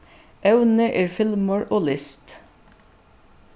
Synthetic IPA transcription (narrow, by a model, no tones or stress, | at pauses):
ʔœʉnəʔeːɹfɪlməɹʔoːlɪst̪